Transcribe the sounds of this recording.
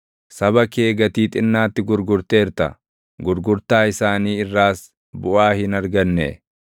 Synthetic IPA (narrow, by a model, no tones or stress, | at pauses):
sɐbɐke̞ːɡɐt̪iːt̪ʼɪnːaːt̪ːɪɡʊɾɡʊɾt̪eːɾt̪ɐ̰ | ɡʊɾɡʊɾt̪aːɪsaːniːɪrːaːs | bʊʔaːhɪnɐɾɡɐnːɛ̰